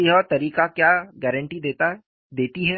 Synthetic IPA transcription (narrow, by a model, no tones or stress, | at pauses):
iɦɛɔːɾt̪ɐɾiːkakjaːɡɛːɾə̃ɳʈid̪eːt̪a | d̪eːt̪iɦɛː